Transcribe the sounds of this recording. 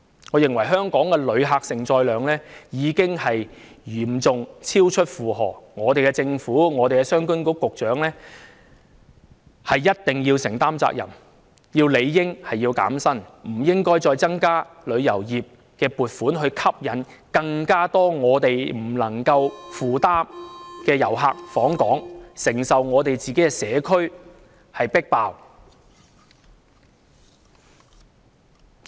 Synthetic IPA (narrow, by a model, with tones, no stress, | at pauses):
ŋɔː˨˧jɪ˨ŋwɐ˨˩jɦœː˥ŋkɔː˨˥ŋkɛː˧lɵ˨˧ɥɦaː˨˧k̚sɪ˨ŋt͡sɔː˧jlœː˨˧ŋlɛː˥jiː˨˧kɪ˥ŋhɐ˨j | jyː˨˩mt͡sʊ˨ŋt͡sʰiː˥wt͡ʃʰɵ˥t̚fuː˨ɦɔ̰ː˨ŋɔː˨˧t̪e˨jkɛ˧t͡sɪ˧ŋfuː˨˥ŋɔː˨˧t̪e˨jkɛ˧sœː˥ŋkʊ˥nko˨˥kʊ˨k̚t͡ʃœː˨˥ŋlɛː˥ | hɐ˨jːɐ˥t̚t̪ɪ˨ŋjiː˧wsɪ˨˩ŋt̪aː˥mt͡sa̰ː˧k̚jɐ̰˨˩m | jiː˧wle˨˧jːɪ˥ŋhɐ˨jiː˧wka̰ː˨˥msɐ˥nm̩˨˩jɪ˥ŋkɔː˥jt͡sɔː˧jt͡sɐ˥ŋkaː˥lɵ˨˧ɥjɐ˨˩wjiː˨p̚ | kɛː˧puː˨t̚fuː˨˥nɦɵ˧ɥkʰɐ˥p̚jɐ˨˥nkɐ˧ŋkaː˥t̪ɔː˥ŋɔː˨˧t̪e˨jm̩˨˩lɐ˨˩ŋkɐ˧wfuː˨t̪aː˥mkɛː˧jɐ˨˩wɦa̰ː˧k̚fɔː˨˥ŋkɔ̰ː˨˥ŋsɪ˨˩ŋsɐ˨wŋɔː˨˧t̪e˨jt͡siː˨ke˨˦˥kɛː˧sɛː˨˧kʰɵ˥ɥ | hɐ˨jpɪ˥k̚paː˧w